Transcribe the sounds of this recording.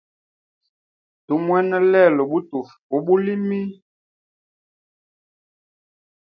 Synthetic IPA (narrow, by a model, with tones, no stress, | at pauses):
tu˨˦mwɛ˦nə˦lɛ˦˨lɔ˨ɓu˦tu˨f | ɔ˨ɓu˦li˦mi˦